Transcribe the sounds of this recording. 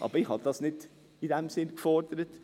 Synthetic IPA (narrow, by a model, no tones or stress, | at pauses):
ɑ̰bɪhɑd̪ɑsnɪt̪ː | ɪd̪ɛmsɪnfɔɾd̪ɾət̪